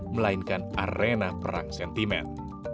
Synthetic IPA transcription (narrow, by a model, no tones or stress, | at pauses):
məlainkanarenapəɾa̰ŋsɛnt̪imɛ̰n